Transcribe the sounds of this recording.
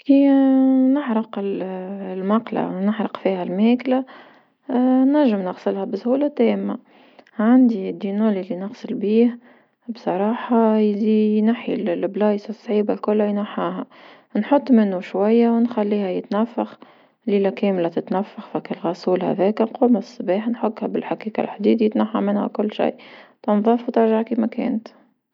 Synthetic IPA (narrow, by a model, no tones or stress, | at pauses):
kiːnəʕɾɑqɪllmɑqla̰nəʕɾɑqfiːhælmɛːklæ | næʒːəmnɑɣsəlhæbəshuːlɑt̪ɛːmːa | ʕand̪id̪ːinoːlilːinəɣsəlbiːh | bsˤɑɾˤɑːħɑzijnaħilblɑːjsɑsˤːʕiːbalkʊlːæjnaħaːɦæ | nħot̪ˤːmɪnːuʃwajːæwnxælːiːhæjɪt̪næfːax | liːlækɛːmlat̪ɪt̪nafːaxfækɪlɣɑsˤuːlhæ̰ðɛːknquːmæsˤːɑbɛːħnħoɡhæbɪlħaqiːka̰lħd̪iːd̪jɪt̪naħːa̰mɪnhæ̰kʊlːʃḭjt̪ɑnðˤɑfwt̪ɪɾʒaʕkimækɛ̰ːnt̪